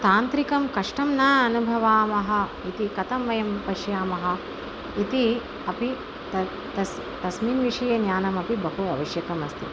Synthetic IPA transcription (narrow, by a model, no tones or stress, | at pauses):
t̪aːnt̪ɾikɐmkɐʂʈɐmnaːɐnubʱɐʋaːmɐɦɐ̆ | it̪ikɐt̪ɐmʋɐjɐmpɐʃjaːmɐɦɐ̆ | it̪i | ɐpi | t̪ɐ | t̪ɐs | t̪ɐsmiːnʋiʂɐjɐnjaːnɐmɐpibɐɦuɐ̰ʋɐʃjɐkɐmɐst̪i